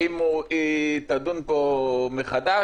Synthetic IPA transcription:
imuit̪ad̪unpomeχad̪a

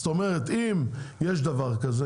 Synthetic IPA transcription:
t̪omeʁet̪imjeʃ̬d̪avaʁkaze

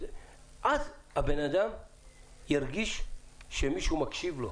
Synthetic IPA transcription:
ʔaz | abenad̪am | jaɾɡiʃʃemiʃumakʃivlo

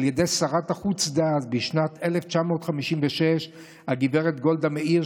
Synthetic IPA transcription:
ljed̪esaʁat̪aχut͡sd̪at̪̚biʃnat̪eleft͡ʃamo̞tχamiʃimveʃeʃ | haɡiveʁet̪ɡo̞ld̪amei

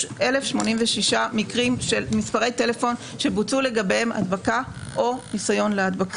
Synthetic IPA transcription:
ʔelefʃmo̞nimveʃiʃamikʁimʃe̞lmispaʁejte̞le̞fo̞nʃe̞but͡sule̞ɡabehema̰d̪bakaʔo̞nisajo̞nlead̪bak

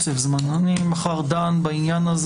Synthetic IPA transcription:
sɛfzmananimaχaʁd̪anbainjanaz

